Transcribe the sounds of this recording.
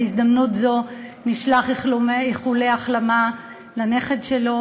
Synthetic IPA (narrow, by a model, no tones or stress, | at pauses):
izd̪amnutzo̞niʃlaχiχlumiχuleaχlama | lane̞χedʃelo̞